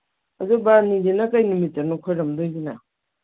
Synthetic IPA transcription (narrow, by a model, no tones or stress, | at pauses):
ɐdubanidenakajnumitːanukʰojɾɐmdojzina